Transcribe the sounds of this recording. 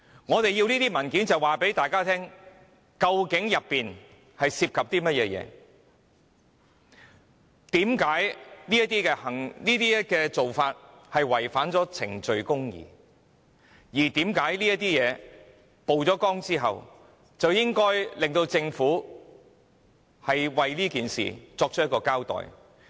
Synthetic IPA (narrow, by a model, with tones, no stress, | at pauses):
ŋɔː˨˧t̪e˨jiː˧wliː˥t̪iː˥mɐ˨˩nkiː˨˥nt͡sɐ˨waː˨˩pe˨˥jt̪aː˨jkaː˥t̪ʰɛː˥ŋ | kɐ˧wkɪ˨˥ŋjɐ˨pːiː˨n | hɐ˨jsiː˧p̚kʰɐ˨p̚t̪iː˥mɐ˥t̚jɛː˧jɛ̰ː˨˧ | t̪iː˨˥mkaː˨˥jliː˥jɐ˥t̪iː˥kɛː˧hɐ˨˩ŋniː˥t̪iː˥jɐ˥kɛː˧t͡so˨wfaː˧t̚ | hɐ˨jwɐ˨˩jfaː˨˥nt͡sɔː˨˥t͡sʰɪ̰˨˩ŋt͡ʃɵ˨ɥkʊ˥ŋjḭː˨ | jiː˨˩t̪iː˨˥mkaː˨˥jliː˥jɐ˥t̪iː˥jɛː˨˧ | po˨wt͡sɔː˨˥kɔː˥ŋt͡siː˥ɦɐ̰˨w | t͡sɐ˨wjɪ˥ŋkɔː˥jlɪ˨ŋt̪o˧wt͡sɪ˧ŋfuː˨˥ | hɐ˨jwɐ˨jliː˥kiː˨nsḭː˨t͡sɔː˧k̚t͡ʃʰjkɔː˧kaː˥wt̪ɔ̰ː˨˩j